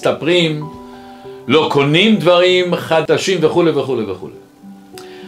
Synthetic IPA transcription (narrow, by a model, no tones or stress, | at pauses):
st̪apʁim | lo̞kʰo̞nimd̪vaʁimχad̪aʃimveχulejveχulejveχṵlḛ